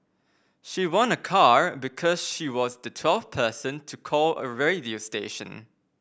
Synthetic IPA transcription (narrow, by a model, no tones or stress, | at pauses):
ʃiwɔ̃nəkʰaɹbikʰɔsʃiwɔsdətʰwɛlfpʰəsə̃ntʰukʰɔlə̰ɹediosteʃə̰̃n